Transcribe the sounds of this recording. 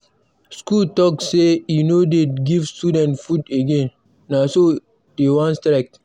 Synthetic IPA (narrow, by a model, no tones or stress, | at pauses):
skultɔk̚sejunodeɡivstudɛ̃ntfudeɡẽnː | aso | d̥ewɔ̃nstɾɛk̚t